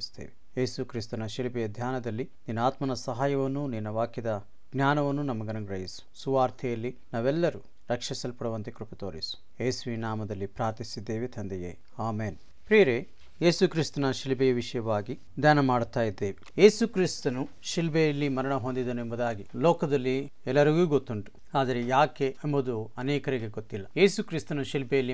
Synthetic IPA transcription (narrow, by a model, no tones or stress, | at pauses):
ist̪ḛːʋejeːsukɾist̪ɐnɐʃilbɛjɐd̪ʱjaːnɐd̪ɐlːi | ninːaːt̪mɐnɐsɐɦaːjɐʋɐnːuninːɐʋaːkjɐd̪ɐ | ɡnjaːnɐʋɐnːunɐmːɐɡɐnɐɡɾɐɦisu̥suʋaːɾt̪ʰɛjɐlːi | naːʋɛlːɐɾu | ɾɐkʂɐsɐlpɐɽɐʋɐnt̪ekɾupɐt̪oːɾisu̥ | eːsuinaːmɐd̪ɐlːipɾaːɾt̪isid̪ːe̞ːʋet̪ʰɐnd̪ɐjḛː | aːmeːn | pɾijɐɾe | jeːsukɾist̪ɐnɐʃilbɛjɐʋiʂɐjɐʋaːɡi | d̪ʱjaːnɐmaːɽt̪aːjid̪ːeːʋije̞ːsukɾist̪ɐnu | ʃilbɛjɐlːimɐɾɐɳɐɦond̪id̪ɐnuembɐd̪aːɡilɔːkɐd̪ɐlːi | ɛlːɐɾiɡuːɡot̪ːuɳʈu̥ | aːd̪ɐɾe̞jaːkeːmbɐd̪uɐnɛːkɐɾiɡe̞ɡot̪ːilːɐje̞ːsukɾist̪ɐnuʃilbɛjɐlːi